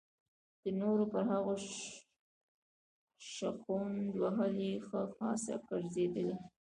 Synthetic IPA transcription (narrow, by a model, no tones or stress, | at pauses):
d̪̥ənoɾopəɾɦaɣo | ʃaqund̪waɦəlixəxɑ̰sa̰kaɾzed̪əli